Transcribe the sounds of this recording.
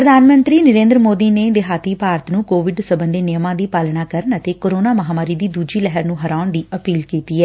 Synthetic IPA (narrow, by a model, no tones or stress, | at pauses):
pɾəd̪ʱaːnmə̃nt̪ɾiːnəɾẽːnd̪ɾəmoːd̪iːneːd̪ɪɦaːt̪iːpaːɾt̪nũːkoːʋɪɖsəbənd̪eːnɪjəmãːd̪iːpaːlɳaːkəɾənət̪eːkoːɾoːnaːməɦaːmaːɾiːd̪iːd̪uːd͡ʒiːlɛɦəɾnũːɦəɾaːʊɳd̪iːəpiːlkiːt̪iːɛː